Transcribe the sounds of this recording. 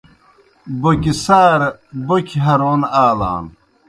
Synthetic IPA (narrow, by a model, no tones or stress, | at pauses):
bokisaːɾbokʰiɦɐɾoːnaːla̰ːn